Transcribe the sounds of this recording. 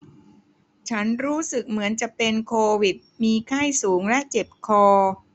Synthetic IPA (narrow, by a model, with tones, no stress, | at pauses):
t͡ɕʰa˦˥nɾuː˦˥sɯ˨˩k̚mɯ˩˦ənt͡ɕa˨˩ʔpe˧nkʰoː˧wi˨˩t̪̚miː˧kʰa˥˩jsuː˩˦ŋlɛ˦˥ʔt͡ɕe˨˩p̚kʰɔː˧